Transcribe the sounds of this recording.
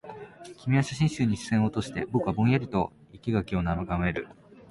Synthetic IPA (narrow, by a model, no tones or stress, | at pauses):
kʲimʲiaɕaɕĩɰ̃ɕɨːɲ̟iɕɨ̥sẽɰ̃o̞t̪o̞ɕi̥t̪e̞bo̞kɯβabõ̞ɰ̃jaɾʲit̪o̞ | ikʲiɡakʲio̞namɯɡame̞ɾɯ̟̰